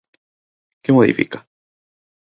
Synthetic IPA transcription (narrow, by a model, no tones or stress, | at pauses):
kemoðḭfḭkḁ